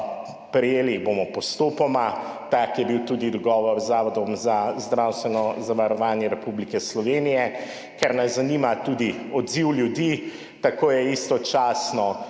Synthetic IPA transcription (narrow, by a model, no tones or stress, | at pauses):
pɾɛjeːlibomɔpɔst̪oːpɔmat̪akjɛbiwt̪uːd̪id̪ɔɡɔːʋɔɾzːaːʋɔd̪ɔmzazd̪ɾawst̪ʋɛnɔzaʋaɾɔʋaːnjɛɾɛpublikɛslɔʋeːnijɛ | kɛɾnazaniːmat̪ud̪iɔd̪ziwljud̪i | t̪akoːjɛist̪ɔt͡ʃaːsnɔ